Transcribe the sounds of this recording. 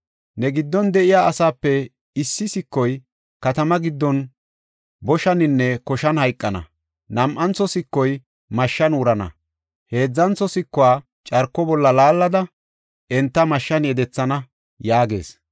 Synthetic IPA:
nɛɡɪd̪ːɔnd̪ɛʔɪjaːʔɐsaːpːɛ | ɪsːɪsɪkːɔj | kɐt̪ɐmɐɡɪd̪ːɔn | bɔʃɐnɪnːɛkɔʃɐnhɐjkʼːɐnɐ̰ | nɐmʔɐnt͡sːɔsɪkːɔj | mɐʃːɐnʊɾɐnɐ̰ | he̞ːd͡zːɐnt͡sːɔsɪkːɔwaː | t͡ʃʼɐɾkːɔbɔlːɐlaːlːɐd̪ɐ | ɛnt̪ːɐmɐʃːɐnjɛd̪ɛt͡sːɐnɐ | jaːɡe̞̰ːs

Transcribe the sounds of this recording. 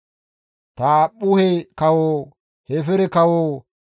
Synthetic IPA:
t̪aːɓʊhɛkɐwoː | hɛfɛɾɛkɐwoː

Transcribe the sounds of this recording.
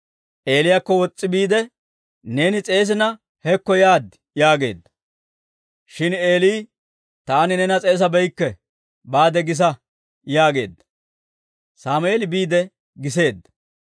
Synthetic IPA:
ʔe̞ːlɪjakːɔwɔt͡sʼːɪbiːd̪ɛ | ne̞ːnɪt͡sʼe̞ːs̬ɪnɐ | hɛkːɔjaːd̪ | jaːɡe̞̰ːd̪ːɐ̥ | ʃɪneːliː | t̪aːnɪnɛnɐt͡sʼe̞ːs̬ɐbɛjkːɛ | baːd̪ɛɡɪs̬ɐ | jaːɡe̞̰ːd̪ːɐ̥ | saːmʊeːlɪbiːd̪ɛ | ɡɪs̬e̞ːd̪ːɐ̥

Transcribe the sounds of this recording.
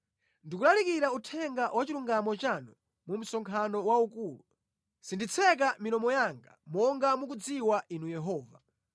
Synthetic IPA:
ndikulalikiɾautʰɛŋɡawat͡ʃiluŋɡamɔt͡ʃanɔ | mum̩sɔŋkʰanɔwaukuːlu | sindit͡sʰɛk̬aminɔmɔjaŋɡa̰mɔŋɡamukud͡ziwaʔinujɛɦɔːva

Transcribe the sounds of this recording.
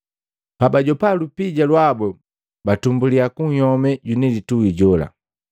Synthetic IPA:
pabaɟɔpalupiɟalwabɛ | batumbuliakuŋ̩hɔmɛɟunɛlituɡiɟɔla̰

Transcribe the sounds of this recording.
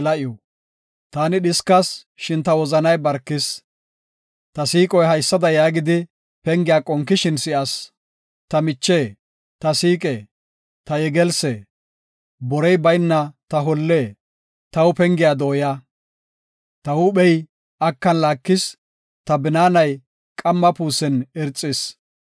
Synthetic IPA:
lɐʔɪjɔ | t̪aːnɪɗɪskɐs | ʃɪnt̪ɐwɔzɐnɐjbɐɾkːɪs | t̪ɐsiːkʼɔjɦɐjsːɐd̪ɐjaːɡɪd̪ɪ | pɛŋɡɪjaːkʼɔŋkːɪʃɪnsɪʔas | t̪ɐmɪt͡ʃːeː | t̪ɐsiːkʼeː | t̪ɐɛɡɛlsɛ | bɔɾɛjbɐjnːɐt̪ɐɦɔlːeː | t̪ɐwʊpɛŋɡɪjaːd̪oːja | t̪ɐwuːɓɛj | ʔɐkːɐnlaːkːɪs | t̪ɐbɪnaːnɐj | kʼɐmːɐpuːsɛnɛɾt͡sʼːɪs

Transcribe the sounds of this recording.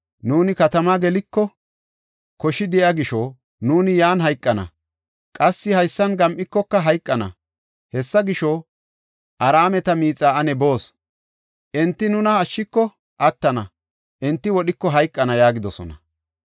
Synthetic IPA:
nuːnɪkɐt̪ɐmaːɡɛlɪkːɔ | kɔʃɪd̪ɪʔɐɡɪʃɔ | nuːnɪjaːnɦɐjkʼːɐnɐ̰ | kʼɐsːɪhɐjsːɐnɡɐmʔɪkːɔkːɐɦɐjkʼːɐnɐ̰ | hɛsːɐɡɪʃɔ | ʔɐɾaːmɛt̪ɐmiːt͡sʼaːɐnɛbo̞ːs | ʔɛnt̪ːɪnʊnɐɐʃːɪkːɔ | ʔɐt̪ːɐnɐ | ʔɛnt̪ːɪwɔɗɪkːɔɦɐjkʼːɐnɐjaːɡɪd̪ɔsɔ̰nɐ̰

